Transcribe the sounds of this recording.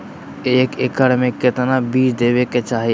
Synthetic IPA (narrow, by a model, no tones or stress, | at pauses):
eːkekəɾmẽkɪt̪nabiːt͡ʃd̪eːʋeket͡ʃaːɦi